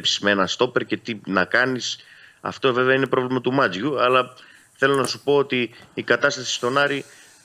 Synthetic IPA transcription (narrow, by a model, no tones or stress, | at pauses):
psi̥zmee̞nɐst̪o̞pe̞ɾce̞t̪inɐkɐnisɐ̰ft̪o̞ve̞veɐine̞pɾo̞vlimɐt̪umɐd͡zʝuɐlɐ | θe̞lo̞nɐsupo̞ot̪iːkɐt̪ɐst̪ɐsi̥st̪o̞nɐɾi